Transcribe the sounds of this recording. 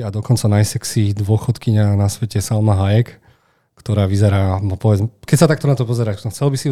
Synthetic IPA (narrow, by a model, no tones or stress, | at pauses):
ad̪ɔkɔnt͡sanajsɛksid̪ʋʊɔxɔt̪kiɲanasʋɛcɛsalmaɦajɛk | kt̪ɔɾaːʋizɛɾaːbɔpɔʋɛd͡zmɛkɛcsat̪ak̚t̪ɔnat̪ɔpɔzɛɾaːxt͡sɛlbisi